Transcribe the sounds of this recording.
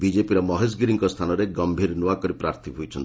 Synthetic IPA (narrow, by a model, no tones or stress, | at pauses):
bid͡ʒepiɾɔmɔɦes̬ɡiɾiŋkɔst̪ʰanɔɾeɡɔmbʱiɾnuakɔɾipɾaɾt̪ʰibʱojt͡ʃʰɔnt̪i